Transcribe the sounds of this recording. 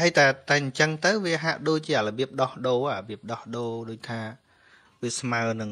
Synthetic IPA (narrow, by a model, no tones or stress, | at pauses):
haəjt̪aɛt̪aɛɲt͡ɕəŋt̪ɨwʋiəɦaʔɗoːc̚t͡ɕiəʔləɓiəp̚ɗɑhɗoːaaɓiəp̚ɗɑhɗoːɗoːc̚t̪ʰaː | ʋiəsmaənɨŋ